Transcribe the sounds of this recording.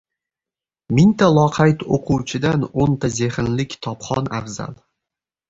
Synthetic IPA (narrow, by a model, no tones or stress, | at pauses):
mɪnt̪ʰalˠɒqʰɑjt̪oqʰʊwt͡ʃʰɪd̪anont̪ʰaze̞χɪnlɪkʲt̪ʰɒpχɒna̰vza̰lˠ